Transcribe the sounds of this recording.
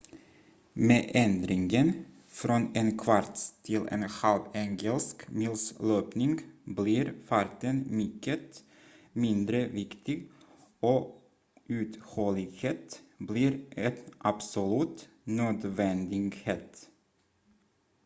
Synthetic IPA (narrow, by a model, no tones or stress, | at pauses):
meːʔɛnd̪ɾɪŋɡən | fɾɔneːnkʰʋaɾt̪t̪ʰɪlḛːnhɑlʋɛŋɡəlskmɪlsløːpnɪŋɡbliːɾfɑɾt̪ənmʏkːət̪ | mɪnd̪ɾəʋɪkt̪ɪɡ | oː | ʉːt̪hɔːlɪɡheːt̪bliːɾʔɛt̪ʔɑbsʊlʉt̪ | nøːd̪ʋɛnd̪ɪɡheːt̪